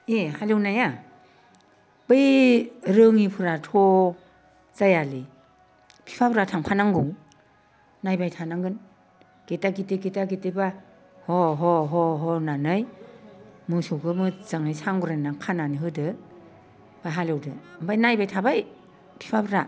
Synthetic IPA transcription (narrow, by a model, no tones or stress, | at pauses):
ehalewnaja | b̥ɯjɾɯŋipʰɯɾatʰɔ | zajalɯ | pʰi̥pʰapʰɾatʰaŋpʰanaŋɡuŋ | najbajtʰanaŋɡɯn | ɡ̥etaɡiteɡetaɡiteba | hɔɦɔɦɔɦɔnanɯj | mɯsoɡɯmɯz̥aŋajsaŋɡuɾanaŋkʰananiɦɯdɯ | bajɦalɯwdɯmbajnajbajtʰabaj | pʰi̥pʰabʰɾa